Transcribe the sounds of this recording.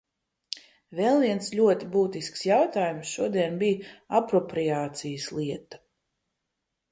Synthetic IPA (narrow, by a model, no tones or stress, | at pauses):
vɛlˠviɛnslʲuɔt̪ibuːt̪isksjawt̪aːjumsʃuɔd̪iɛnbijapɾɔpɾiaːt̪sijəslˠiɛt̪ḁ